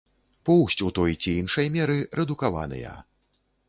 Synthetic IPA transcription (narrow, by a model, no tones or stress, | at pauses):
pɔwsʲt͡sʲut̪ɔjt͡sʲiinʂɐjmʲɛɾɨɾɛd̪ukava̰nɨ̰jɐ̰